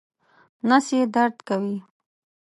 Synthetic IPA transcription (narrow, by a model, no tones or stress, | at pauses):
nasjed̪aɾd̪kawi